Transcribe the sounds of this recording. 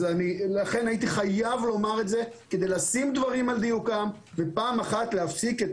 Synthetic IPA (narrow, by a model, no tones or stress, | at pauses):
anilaχe̞nait̪iχajavlo̞maʁe̞tze̞ | ked̪ejlasimd̪vaʁimald̪ijukam | vepaːmaχat̪leafsiket